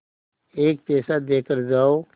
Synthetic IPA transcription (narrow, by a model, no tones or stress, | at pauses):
eːk̚pɛːsad̪eːkəɾd͡ʒaːo